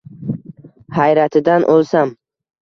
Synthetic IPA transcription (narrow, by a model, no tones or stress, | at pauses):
hajɾat̪ʰɪd̪anʔolˠsam